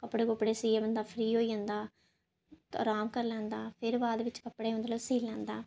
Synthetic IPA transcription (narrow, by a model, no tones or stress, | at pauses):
kɐpːɐɽekopːɐɽeːsiːjɐʋɐnd̪aːfɾiːoːjɐnd̪aː | ɾaːmkɐɾlɐnd̪aːfeɾʋaːd̪ɐʋɪt͡ʃːɯ̥kɐpːɐɽeːʋɐnd̪ɐlosiːlːɐnd̪aː